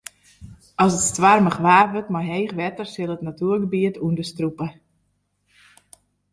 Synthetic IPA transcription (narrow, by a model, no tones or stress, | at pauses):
ɔsətstʋarməχʋaːʋøtmajɦejχʋɛtərsɪlˠətnatuərɡəbiətʰuəndəstrupə